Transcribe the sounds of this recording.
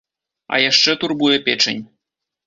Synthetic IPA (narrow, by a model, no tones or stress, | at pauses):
a̰jaʂːɛt̪urbujɛpʲet͡ʂɘnʲ